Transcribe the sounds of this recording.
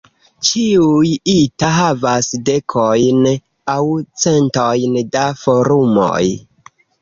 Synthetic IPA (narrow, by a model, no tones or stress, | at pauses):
t͡ʃiujitaɦavasde̞kʰo̞jn | awt͡se̞nto̞jndafoɾumo̰j